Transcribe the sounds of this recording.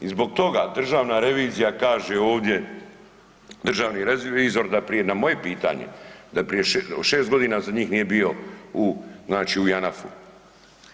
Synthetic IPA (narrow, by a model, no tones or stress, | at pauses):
izbo̞ɡ̚t̪o̞ɡad̪r̩ʒaːʋnaɾe̞ʋiːzijakaːʒeo̞ːʋd̪je̞ | d̪r̩ʒaːʋniɾeiːzo̞ɾd̪apɾijenamo̞je̞piːt̪a̰ɲḛd̪apɾijeʃeʃeːst̪ɡo̞d̪iːnazaɲiːxniːje̞bio̞uznaːt͡ʃiujanafṵ